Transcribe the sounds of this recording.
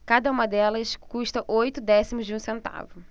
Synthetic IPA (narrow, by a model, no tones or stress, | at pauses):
kad̪ɐũmɐd̪ɛlɐskuʃt̪ɐʔojt̪ʊd̪ɛsimʊzd͡ʒɪũsẽnt̪a̰vʊ